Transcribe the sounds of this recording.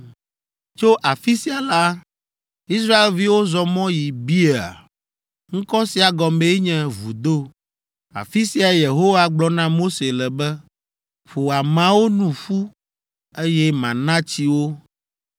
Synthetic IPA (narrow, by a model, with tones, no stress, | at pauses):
t͡ʃo˦ʔa˨fi˦si˨a˨la˦ | i˦s̬ɾa˦e˨lvi˦wo˦zɔ˨mɔ̃˦ji˨bi˦e˨a̰˨ | ŋ̩˦kɔ˦si˨a˨ɡɔ˨me˦ɲɛ̃˦vṵ˨d̪o˦ | a̰˨fi˦si˨a˨˦˨je˨ɦo˦wa˦ɡ͡blɔ˦nã˦mo˦se˨lɛ˨bɛ˦ | ɸo˨a˨mã˨wo˦nũ˨ɸu˦ | e˦jɛ˦mã̰˨nã˦t͡ɕi˦wo˦